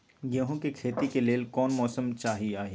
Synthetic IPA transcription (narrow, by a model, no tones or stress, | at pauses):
ɡeɦõkekʰeːt̪ikeleːlkɔːnmɔːsəmt͡ʃaːɦiaːɦeː